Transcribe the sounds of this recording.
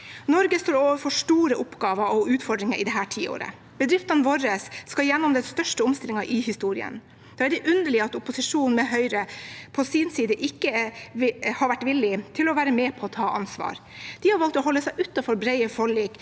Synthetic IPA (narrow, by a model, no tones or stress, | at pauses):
nɔɾɡəst̪oːɾoːʋəɾfɔʂʈuːɾəʔʊpɡɑːʋəɔʉːt̪fɔɖɾɪŋəɾɪd̪ɛɦæːʈʰiːo̰ːɾə̰ | b̥əd̪ɾɪft̪ɑnʋɔɾəsːkɑjɛnːɔmd̪ɛst̪œʂʈəʊmst̪ɪlɪŋɑʔɪhɪst̪uːɾɪ̰ə̰n | d̪̥ɑːæɾɖɛʔʉnd̪əɭɪəɑt̪ʊpʊsɪʂuːnn̩mɛɦœʏɾəpʰɔsiːnsiːd̪əʔɪkːə | hɑɾʋæʈːʋɪlːɪt̪ʰɪlɔʋæːɾəmeːpʰɔːt̪ʰɑːʔɑnsʋɑ̰ːɾd̪̥ɪhɑɾʋɑlt̪ɔɦɔlːəsæɪʔʉːt̪ːɑfɔɾbɾɛɪəfɔɭiːk